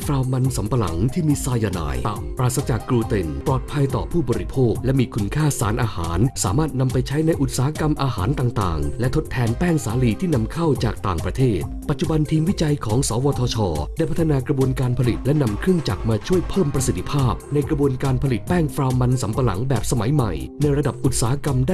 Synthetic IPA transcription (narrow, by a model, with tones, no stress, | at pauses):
fɾaː˧wma˧nsa˩˦mpa˧la̰˩˦ŋt̪ʰiː˥˩miː˧saː˧jaː˧na̰ː˧˩jt̪aː˨˩mpɾaː˨˩t̪sa˧t͡ɕaː˨˩kːɾuː˧t̪e˧nplɔː˨˩t̪̚pʰa˧jt̪ɔː˨˩pʰuː˥˩bɔː˧ɾi˦˥pʰoː˥˩k̚lɛ˦˥miː˧kʰu˧nkʰaː˥˩sa̰ː˩˦˥nʔaː˧ha̰ː˩˦nsaː˩˦maː˥˩t̪̚na˧mpa˧jt͡ɕʰa˦˥jna˧jʔu˨˩t̪̚saː˦a˦˧ka˧mʔaː˧ha̰ː˩˦nt̪aː˨˩ŋt̪a̰ː˨˩ŋlɛ˦˥t̪ʰo˦˥t̪ʰːɛː˧npɛː˥˩ŋsaː˩˦liː˧t̪ʰiː˥˩na˧mkʰa˥˩wt͡ɕaː˨˩k̚t̪aː˨˩ŋpɾa˧t̪ʰeː˥˩t̪̚pa˨˩t̪̚t͡ɕu˨˩ba˧nt̪ʰiː˧mwi˥t͡ɕa˧jkʰɔː˩˦ŋsɔː˩˦wɔː˧t̪ʰɔː˧t͡ɕʰɔː˧da˥˩jpʰa˥t̪ʰːa˧naː˧kɾa˧bu˧ənkaː˧npʰa˧li˨˩t̪̚lɛ˦˥na˧mkʰɾɯ˥əŋt͡ɕa̰˨˩k̚maː˧t͡ɕʰu˥˩əjpʰɤː˥˩mpɾa˧si˨˩t̪ʰːi̥˧pʰaː˥˩p̚na˧jkɾa˧bu˧ənkaː˧npʰa˧li˨˩t̪̚pɛː˥˩ŋfɾaː˧wma˧nsa˩˦mpa˧la̰˩˦ŋbɛː˨˩p̚sa˧ma˨˩˦jma̰˨˩jna˧jɾa˧da˨˩p̚ʔu˨˩t̪̚saː˨˦ha˦˥ka˧mdaː˥˩